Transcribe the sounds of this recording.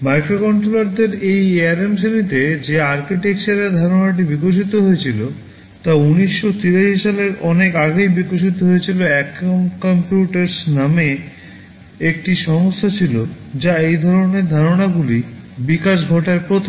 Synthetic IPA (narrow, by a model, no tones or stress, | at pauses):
majkɾokɔɳʈɾolaɾd̪eɾejeaɾemʃenit̪ed͡ʑeaɾkiʈekʃaɾeɾd̪ʱaɾonaʈ̬ibikoʃ̬it̪oɦojet͡ɕʰilo | t̪auniʃːot̪iɾaʃiʃaleɾɔnekaɡejbikoʃ̬it̪oɦojet͡ɕʰiloɛkonkompjuʈeɾsname | ek̚ʈiʃɔŋost̪ʰat͡ɕʰilo | d͡ʑaejd̪ʱɔɾoneɾd̪ʱaɾonaɡulibikaʃ̬ɡʱɔʈaɾpɾot̪ʰo